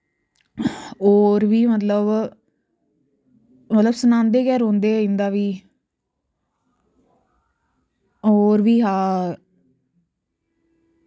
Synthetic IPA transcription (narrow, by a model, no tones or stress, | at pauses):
oːɾʋiːmət̪ləb | mət̪ləbsənãːnd̪eːɡɛːɾɦõːnd̪eːɪ̃nd̪aːʋiː | oːɾʋiːɦaː